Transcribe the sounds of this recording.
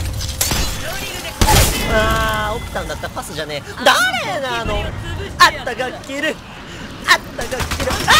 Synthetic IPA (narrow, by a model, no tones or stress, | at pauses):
aokɯ̥t̪ãnd̪at̪ːapasɨʑane | d̪aɾenaːnoat̪ːaɡakʲːiɾɯ̟ | at̪ːaɡakʲːiɾɯ̟